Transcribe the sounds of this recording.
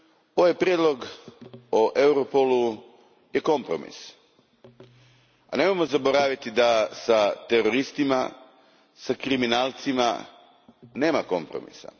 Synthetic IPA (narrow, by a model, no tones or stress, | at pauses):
o̞ʋajpɾʲjed̪lˠo̞ɡ | oʔewɾopolu | je̞ko̞mpɾo̞̰mḭs | anemojmozabo̞ɾaːʋit̪id̪asat̪eɾo̞ɾist̪ima̰ | sakɾiminaːlˠt̪sima̰ | ne̞ːmako̞̰mpɾo̞̰mḭsa̰